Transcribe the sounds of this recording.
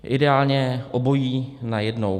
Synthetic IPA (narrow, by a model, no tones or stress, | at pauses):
ʔɪdɛaːlɲɛʔobo̞jiːnajɛdnow